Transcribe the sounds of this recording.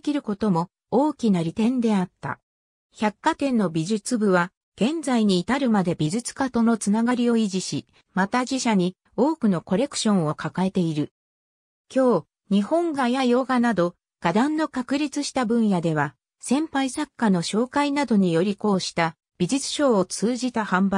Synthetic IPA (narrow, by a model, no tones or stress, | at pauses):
kʲiɾɯ̟ko̞t̪o̞mo̞ | oːkʲinaɾʲit̪ẽ̞nd̪e̞at̪ːa̰ | çakːat̪ẽ̞nːo̞bʲiʑɨt͡sɨbɯ̟βa | ɡ̥ẽ̞nd͡zaiɲ̟iːt̪aɾɯ̟mad̪e̞bʲiʑɨt͡sɨ̥kat̪o̞no̞t͡sɨnaɡaɾʲio̞iʑiɕi | mat̪aʑiɕaɲ̟i | o̞ːkɯ̟no̞ko̞ɾe̞kɯ̥ɕõ̞ɰ̃o̞kakae̞t̪e̞iɾɯ̟ | kʲo̞ː | ɲ̟ihõ̞ŋɡajajo̞ːɡanad̪o̞ | ɡ̥ad̪ãnːo̞kakɯ̟ɾʲit͡sɨɕi̥t̪abɯ̟̃ɰ̃jad̪e̞βa | sẽ̞mpaisakːano̞ɕo̞ːkainad̪o̞ɲ̟ijo̞ɾʲiko̞ːɕi̥t̪a | b̥ʲiʑɨt͡sɨ̥ɕo̞ːot͡sɨːʑit̪ahãmba